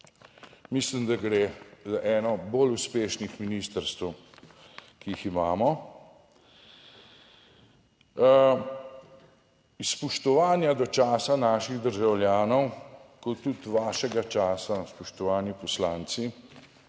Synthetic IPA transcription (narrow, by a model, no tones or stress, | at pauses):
mislimd̪aɡɾeːzaʔɛːnɔboːluspeːʃnixminist̪əɾst̪əw | kiiximaːmɔ | spɔʃt̪ɔʋaːnjad̪ɔt͡ʃaːsanaːʃiɣd̪əɾʒawljaːnɔwkɔt̪ːut̪ʋaːʃɛɡat͡ʃaːsaspɔʃt̪ɔʋaːnjipɔslaːnt̪si